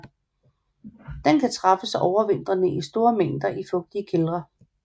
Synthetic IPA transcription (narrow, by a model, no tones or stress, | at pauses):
d̥enkʰæt͡sʰʁɑ̈fəsɒʊɐʋen̰d̥ʁɐnəʔisd̥o̝ːɐmeŋ̰d̥ɐʔifɔ̽ɡ̥̚d̥iəkʰelʁɐ